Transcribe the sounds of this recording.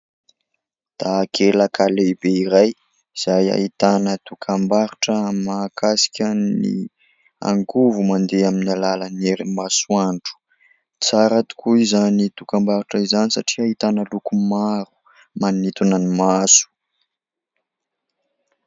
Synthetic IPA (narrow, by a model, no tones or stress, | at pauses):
d̪̥aːkʰelakʰalebeiɾaj | iz̥aja̰it̪anət̪ukʰambaɾuʈ͡ʂəmakasi̥kʲanḭ | a̰ŋɡuvumand̪eaminalalaneɾimasuaɳʈ͡ʂu̥ | t͡saɾat̪u̥kuizanit̪ukambaɾuʈ͡ʂəizanisaʈ͡ʂiait̪anəlukumaɾu̥ | manit̪unanimasu̥